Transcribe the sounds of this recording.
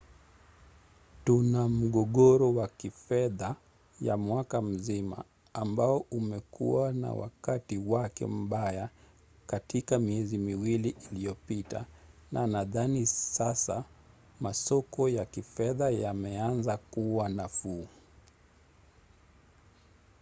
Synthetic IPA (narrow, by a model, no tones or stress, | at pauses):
tunam̩ɠɔɠɔɾɔwakifɛða | ja̰mwakam̩zima̰ː | mbaɔʔumɛkṵwana̰wa̰katiwakɛ̰m̩ɓaja | katikamiɛzimiwiliʔilijɔpita̰nʔanaðanisasa | masɔkɔjakifɛðajamɛanzakuwanafuː